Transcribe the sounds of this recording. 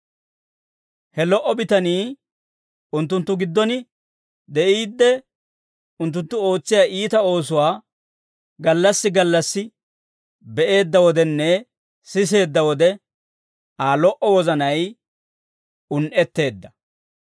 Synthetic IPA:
hɛlɔʔɔbɪt̪ɐniː | ʊnt̪ːʊnt̪ːʊɡɪd̪ːɔnɪ | d̪ɛʔiːd̪ːɛ | ʊnt̪̬ːʊnt̪ːʊo̞ːt͡sːɪjaːʔiːt̪ɐo̞ːs̬ʊwaː | ɡɐlːɐsːɪɡɐlːɐsːɪ | bɛʔe̞ːd̪ːɐwɔd̪ɛnːɛ | sɪse̞ːd̪ːɐwɔd̪ɛ | aːlɔʔɔwɔzɐnɐj | ʊnʔɛt̪ːe̞ːd̪ːɐ

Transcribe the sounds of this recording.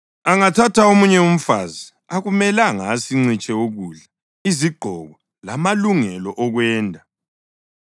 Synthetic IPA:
aŋatʰatʰaomuɲɛum̩fa̰zi | aɣumɛlaŋasiŋ͡ǀit͡ʃʼɛoɣuːɮa | iziɡ͡ǃʱɔɣɔ | lamaluŋɛlɔʔɔɣwɛːndʱa

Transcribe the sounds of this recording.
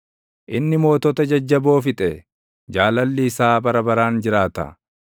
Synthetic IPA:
ʔɪnːɪmo̞ːt̪ɔt̪ɐd͡ʒɐd͡ʒːɐbo̞ːfɪt̪ʼɛ | d͡ʒaːlɐlːɪːsaːbɐɾɐbɐɾaːnd͡ʒɪɾaːt̪ɐ̰

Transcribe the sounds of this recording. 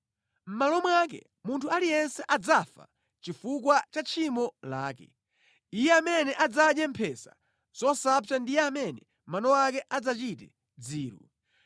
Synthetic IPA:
m̩malɔmwak̬ɛ̰ | muntʰualijɛnsɛʔad͡zafa̰ | t͡ʃifukwat͡ʃat͡ʃʰimɔla̰ːkɛ | ijɛamɛnɛʔad͡zaɗjɛmpʰɛsa̰ | z̥ɔsap̚t͡ʃandijɛamɛnɛ | manɔwakɛʔad͡zat͡ʃitɛ | d͡ziːɾṵ

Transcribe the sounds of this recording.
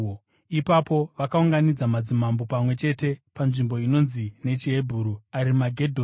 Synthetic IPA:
ipapo̞ʋakauŋɡanid͡zamad͡zimambo̞pamwe̞t͡ʃe̞te̞panʐimbo̞ino̞nzine̞t͡ʃiɦe̞bʱuːɾuaɾimaɡʱe̞dʱo

